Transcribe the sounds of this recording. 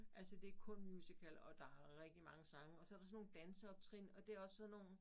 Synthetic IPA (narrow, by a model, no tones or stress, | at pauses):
ʔælsəd̥e̝ækʰɔ̽nmjuːsikʰælɒ̽d̥ɑ̈æʁeɡ̥̚d̥imɑ̈ŋəsɑ̈ŋəɒ̽sɒ̽æɐɾ̥ɑsɒ̽no̝ːn̩d̥ænsəɒ̽b̥t͡sʰʁinɒ̽d̥e̝æɐɒ̽sːɒ̽nːo̝̰ːn̩